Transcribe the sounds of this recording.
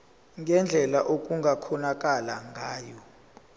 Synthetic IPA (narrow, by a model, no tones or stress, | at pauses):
ŋɡʱɛnd͡ɮʱɛlaʔok̬ʼuŋɡʱakʰɔnak̬ʼalaŋɡʱaːjɔ